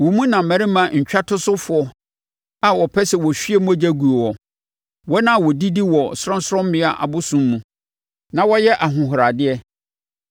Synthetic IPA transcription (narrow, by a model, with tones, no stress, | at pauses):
wɔ˨mũ˦nã˨m̩˨mɛ˨ɾɪ˦mã˨ɲ̩˨t͡ɕᶣa˦tʰʊ˦sʊ˦fʊ˨ɔ˦ | a˨wɔ˨pʰɛ˦sɛ˨wɔ˨ɕi˦e˦mũ˦æ˦˨d͡ʑæ˦ɡu˨o˨wɔ˨ | wɔ˦nã˦˨wɔ˨di˦di˦wɔ˨sʊ˦ɾɔ̃˦n˦sɾɔ̃˦m˦mɪ̃˦a˨ʔa̰˨bʊ˦sũ˨mːũ˨ | nã˨wɔ˦jɛ˦ʔa˨ɦʊ̃˨ɦʊ˨ɾa˨dɪ˦ɛ˦